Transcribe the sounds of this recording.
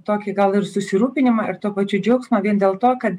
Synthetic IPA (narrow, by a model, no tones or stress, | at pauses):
t̪oːkʲɪɡɐlˠɪɾsʊsʲɪɾuːpʲɪnʲɪmɑɪ̰ɾt̪uɔpɐt͡ʃʲʊd͡ʒʲɛʊksmoːʋʲiɛnd̪ʲeːlˠt̪oːkɐt̪